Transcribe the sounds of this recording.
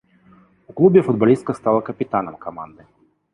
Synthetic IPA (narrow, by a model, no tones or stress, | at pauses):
uklˠubʲɛfud̪̚balʲist̪̚kɐst̪alˠɐkɐpʲit̪anɐmkama̰nd̪ɨ